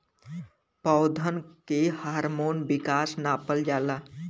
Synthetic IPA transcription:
pɔʊd̪ʱənkehaːɾmoːnbɪkaːsnaːpəld͡ʒaːlaː

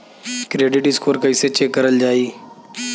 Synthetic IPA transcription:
kɾeːɖɪʈɪskʰoːɾkəɪset͡ʃeːkːəɾəld͡ʒaːiː

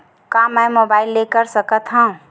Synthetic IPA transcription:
kamːɛjmobailːekəɾsəkət̪ɦə̃ũ

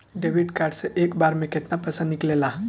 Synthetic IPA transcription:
ɖeʋiɖkaɾɖsəʔekbaɾmeket̪napəsə̃nniklela

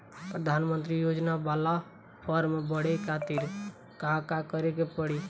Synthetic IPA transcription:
pɾəd̪ʱanmənt̪ɾijod͡ʒnabala | pʰəɾmebəɽekʰat̪iɾ | kãkakəɾekepəɽi

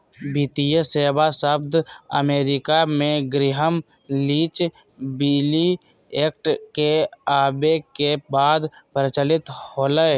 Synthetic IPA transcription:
biːt̪ijəseːbasəb̚d̪ʱə̰meːɾɪkamẽɡɾɪɦəm | liːt͡ʃ | biːli | eːk̚ʈkeaːbekebaːd̪pəɾɪt͡ʃəlɪt̪hoːləe

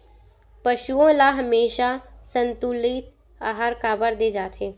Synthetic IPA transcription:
pɐʃuõlaɦɐmeːʃasɐ̃nt̪ulit̪ | aːɦaɾkaːbəɾd̪eːd͡ʒaːt̪ʰeː

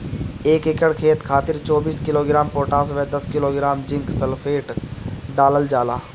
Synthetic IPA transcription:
eːkekəɽkʰeːt̪kʰaːt̪ɪɾt͡ʃɔːbiːskɪloːɡɪɾaːmpoːʈaːs̬ʋɛːd̪ɐskɪloːɡɾaːmd͡ʒɪ̃ŋksəlfʰeːʈɖaːləld͡ʒaːlaː

